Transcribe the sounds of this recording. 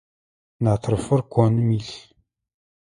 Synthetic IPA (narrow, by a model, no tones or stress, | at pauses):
nat̪ʰəɾfəɾkʷʰonmiɬ